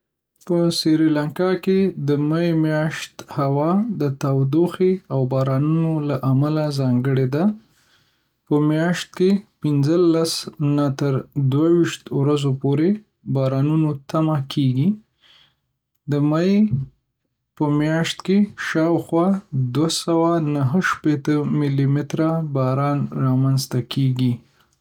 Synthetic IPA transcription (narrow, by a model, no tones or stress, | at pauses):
pəsiɾilaŋkɑked̪əmajmjɑʃt̪hawɑd̪ət̪awd̪oxeawbɑɾɑnunolaʔamalazɑŋɡəɽed̪a | pəmjɑʃt̪̚kepɪnzəlasnat̪əɾd̪wawiʃt̪wɾazopoɾe | bɑɾɑnunot̪amakʰeɡi | d̪əmaj | pəmjɑʃt̪keʃɑwxwɑd̪wasawanaɦəʃpet̪əmɪlimɪt̪ɾabɑɾɑnɾɑmanzt̪akʰeɡi